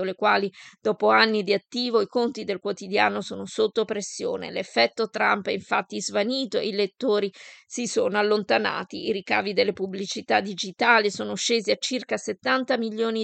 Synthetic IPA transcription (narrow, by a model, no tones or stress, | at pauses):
olekwaːlid̪̥ɔːpoanːid̪iat̪ːiːvoikont̪id̪elkwot̪id̪ja̰ːnosoːnosot̪ːopɾesːjo̰ːnḛlefːɛt̪ːot̪ɾampɛiɱfat̪ːizvaniːt̪oḛilet̪ːoːɾisisoːnoalːont̪ana̰ːt̪iːɾika̰ːvid̪elːepublit͡ʃit̪ad̪id͡ʒit̪aːlisoːnoʃeːziat͡ʃːirkaset̪ːant̪amilːjoːni